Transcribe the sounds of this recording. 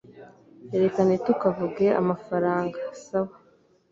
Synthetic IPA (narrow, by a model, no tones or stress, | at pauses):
eɾe̞kanetukavuɡe̞a̰mafaɾaːŋɡasawa